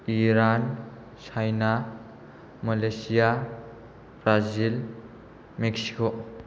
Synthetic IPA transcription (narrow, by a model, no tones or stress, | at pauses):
iɾan | sʰajna | mɐlejsija | bɾazil | meksi̥ko